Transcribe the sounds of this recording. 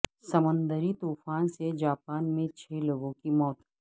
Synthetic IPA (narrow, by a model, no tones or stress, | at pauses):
sɐmə̃nd̪əɾit̪uːfaːnsed͡ʒaːpaːnmẽt͡ʃʰeːloːɡõkimɔːt̪